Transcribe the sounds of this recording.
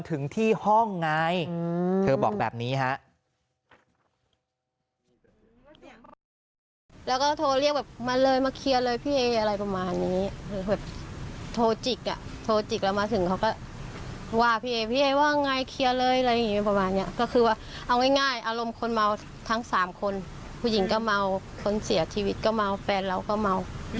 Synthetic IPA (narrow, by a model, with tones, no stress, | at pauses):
nt̪ʰɯ˩˦ŋt̪ʰiː˥˩hɔ˥˩ŋːaː˧jt̪ʰɤː˧bɔ̰ː˨˩k̚bɛː˨˩p̚niː˦˥ɦa˦˥ʔ | lɛː˦˥wkɔː˥˩t̪ʰoː˧li˥˩ək̚bɛː˨˩p̚ma˧nlɤː˧jmaː˧kʰi˧əlɤː˧jpʰiː˥˩ʔeː˧ʔa˧ɾa˧jpa˧maː˧nːiː˦˥˧bɛː˨˩p̚t̪ʰoː˧t͡ɕi˨˩k̚ʔa̰˨˩ʔt̪ʰoː˧t͡ɕi˨˩k̚lɛː˦˥wmaː˧˥t̪ʰɯ˨˩˦kʰa˦˥wkɔː˥˩ | waː˥˩pʰiː˧˨ʔeː˧pʰiː˥˨ʔeː˧waː˥˩ŋa˧jkʰi˧ə˧lɤː˧jʔa˧a˧ja˨ŋːiː˦˥˧pa˧maː˧nːi˦˥ɐ˨kɔː˥˩kʰɯː˧waː˥˩ʔa˧wŋa˥˩jŋaː˥˩jʔaː˧lo˧mkʰo˧nma˧w | t̪ʰa˦˥ŋsaː˩˦mkʰo˧n | pʰuː˧˩˨ji˩˦ŋkɔː˥˩ma˧w | kʰo˧nsi˨˩˦ɐt͡ɕʰiː˧wi˦˥t̪̚kɔː˥˩ma˧wfɛː˧nɾa˧wkɔː˥˩ma˧w